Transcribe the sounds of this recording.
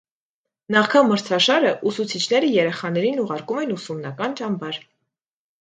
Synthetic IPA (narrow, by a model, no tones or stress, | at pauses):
nɑχkʰɑməɾt͡sʰɑʃɑɾəʔusut͡sʰit͡ʃʰn̪ɛɾəjɛɾɛχɑn̪ɛɾinuʁɑɾkumɛnusumnɑkɑnt͡ʃɑmbɑɾ